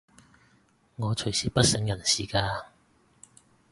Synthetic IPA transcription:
ŋɔː˨˧t͡ʃʰɵ˨˩ɥsiː˨˥pɐ˥t̚sɪ˨˥ŋjɐ˨˩nsiː˨kaː˧

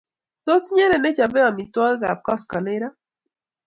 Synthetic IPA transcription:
do˦si˦ɲe˦ɾe˨ne˦t͡ʃa˨bɛ˦ɔ˨mi˨tɔ˦ɡa˨p̚kɔ˦skɔ˨ne˦ɾa˦

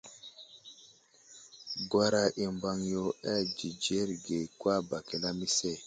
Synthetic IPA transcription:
ɡwa˦ɾa˦ʔi˨mba˦ŋjo˦ɛ˦˨d͡ʒi˨d͡ʒe˦ɾɡe˨kwa˦˨ba˨ke˨la˦mi˦se˦˨

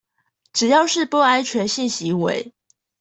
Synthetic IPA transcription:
ʈ͡ʂɻ̩˨˩jɑ˥˧ʊʂɻ̩˥˨pɔ˥a˥ɪt͡ɕʰɥɛ˧˥nɕi˥˩nɕi˧˥wḛ˧˦ɪ

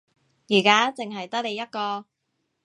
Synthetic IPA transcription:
jiː˨˩kaː˦˥t͡se˨ŋɦɐ˨jt̪ɐ˥k̚le˨˧jɐ˥t̚kɔː˧

